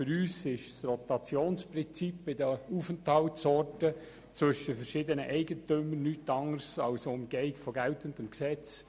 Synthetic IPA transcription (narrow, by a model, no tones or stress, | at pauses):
fʏɾyːsɪʃsrɔtɑt͡sjoːnspɾɪnt͡sipːɪdəuːfənthɑltsɔrtə | t͡sʋʏʃəfɛɾʃɪːdənəʔɛɪɡətʏmənnyːtɑŋəɾsɑlsoʊmɡ̥ɛɪkfɔɡɛltəndəmksɛt͡s